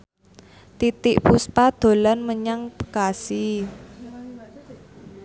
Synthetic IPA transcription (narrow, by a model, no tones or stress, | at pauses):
t̪it̪ɪʔpuspad̪̥o̤lanməɲaŋpɡ̥asi